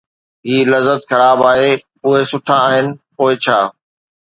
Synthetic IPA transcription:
ɦiːlɐzət̪xɐɾaːbaːɦe | ʊɦesʊʈʰãaːɦɪnɪ̆poːɪt͡ɕʰaː

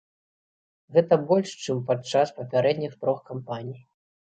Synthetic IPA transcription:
ɣɛt̪ɐbɔlʲʂt͡ʂɨmpat͡ʂːaspɐpʲaɾɛd̪ʲnʲixt̪ɾɔxkampanʲij

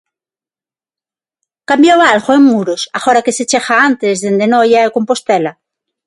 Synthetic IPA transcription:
kambjoβalɣoeŋmuɾosaxoɾakeset͡ʃexaant̪ezðend̪enojaekompost̪ela

